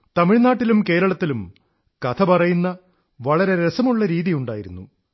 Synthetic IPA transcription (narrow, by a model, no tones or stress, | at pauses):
t̪ɐmiɻnaːʈːilumke̞ːɾɐɭɐt̪ːilum | kɐt̪ʰɐpɐrɐjunːɐ | ʋɐɭɐɾe̞ɾesɐmuɭːɐɾiːðijuɳɖaːjiɾunːṵ